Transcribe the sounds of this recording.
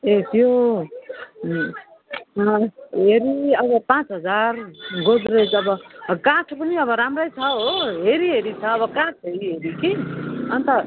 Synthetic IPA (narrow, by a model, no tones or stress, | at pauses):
et̪jo | ɦeɾiʌbʌpãt͡sɦʌd͡zarɡod͡zɾet͡sʌbʌkãʈʰpʌniʌβʌɾamrʌjt͡sʰʌɦoɦeɾiɦeɾit͡sʰʌːβʌkãʈʰɦeɾiɦeɾikiʌnt̪ʌ